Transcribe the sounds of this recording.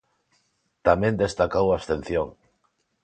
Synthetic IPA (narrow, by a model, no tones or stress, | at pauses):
t̪amẽnd̪est̪akawast̪ẽn̟θjoŋ